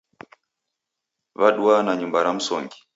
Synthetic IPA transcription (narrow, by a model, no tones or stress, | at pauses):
βaɗuanaɲumbaɾam̩sɔ̰ŋɡi